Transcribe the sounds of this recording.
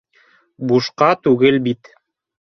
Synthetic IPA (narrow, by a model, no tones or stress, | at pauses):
buʃqɑt̪ʉɡɘlbit̪